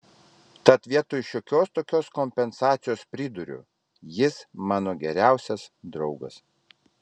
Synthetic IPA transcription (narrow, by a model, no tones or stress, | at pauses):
t̪ɐt̪ʋʲiɛt̪oːjʃʲoːkʲoːst̪oːkʲoːskomʲpʲɛnsɑːt̪sʲɪjoːspʲɾʲɪd̪ʊɾʲʊ̰ | jɪsmɑːnoːɡʲɛɾʲæˑʊsʲɛsd̪ɾɒʊɡɐ̰s